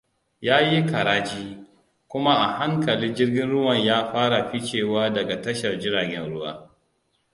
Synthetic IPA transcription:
jaː˦ji˦ka˨ɾaː˦t͡ʃiː˦ | kʷʊ˦ma˦ʔa˨ha˦ŋkɐ˨liː˦d͡ʒɪ˦rɡʲɪ˦nɽʊ˦wɐ˨ɲjaː˦ɸaː˦ɽa˨ɸi˦t͡ʃeː˦˨waː˦dɐ˨ɡa˨tɐ˦ʃɐ˨rd͡ʒɪ˦ɾaː˨ɡʲɛ˦nɽʊ˦wa̰ː˦

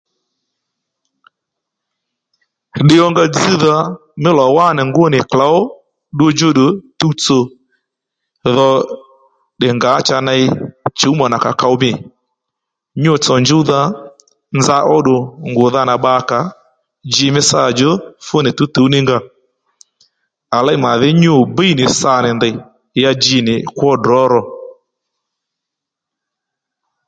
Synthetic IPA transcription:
ɗɪ˦jɔ˦ŋɡa˧d͡zi˦ða˧mɪ˦lɔ˨wa˦˨nɪ˨ŋɡʊ˦nɪ˨kla˨˦ʊ˦ | ɗo˦d͡ʒo˦ɗo˨tu˦t͡so˨ | ðɔ˧ | ɗɪ˨ŋɡa˨˦t͡ʃa˧na˧jt͡ʃu˨˦ma˨na˨ka̰˨ka˧ʊ˦mɪ˦˨ | ɲʊ˦˨t͡sɔ˨nd͡ʒu˦ða˧ | nza˧ʔɔ˦ɗʊ˨ŋɡʊ˨ða˦na˨ɓa˧˦ka˨ | d͡ʒɪ˧mɪ˦sa˦˨d͡ʒo˦fʊ˦nɪ˨tu˨˦tu˨˦nɪ˦ŋɡa˦˨ | a˨la˦i˦ma˨ðɪ˦ɲʊ˦˨bi˦i˦nɪ˨sa˨nɪ˨ndɪ˨ | ja˧d͡ʒi˧nɪ˨kwɔ˦dɾɔ˨˦ɾɔ˧˨

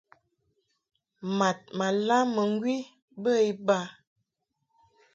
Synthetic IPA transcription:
ma˨t̚ma˨la˦mə˨ŋ˦ɡwi˦ | bə˦i˦ba˦

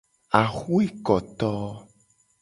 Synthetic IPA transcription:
a˨xu˦e˦kɔ˨t̪ɔ˦

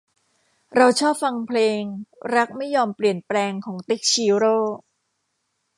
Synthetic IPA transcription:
ɾa˧wt͡ɕʰɔː˥˩p̚fa˧ŋpʰleː˧ŋɾa˦˥k̚ma˥˩jːɔː˧mpli˨˩ənplɛː˧ŋkʰɔː˩˦ŋt̪i˦˥k̚t͡ɕʰiː˧ɾoː˥˩

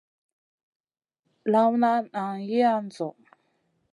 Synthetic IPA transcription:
la˦wna˦na˨ŋji˦a˦n˨d͡zɔ˨ʔ

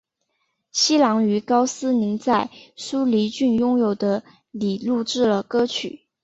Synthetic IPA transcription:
ɕi˥lɑ˧˥ŋy˧˥kɑ˥ʊsɹ̩˥ni˧˥ŋt͡sa˥˩ɪsu˥li˧˥t͡ɕy˥˩njʊ˥ŋjo˨˩ʊd̪ə˦ | li˨˩lu˥˧ʈ͡ʂɻ̩˥˩lə˩kɤ˥t͡ɕʰy̰˨˩˦

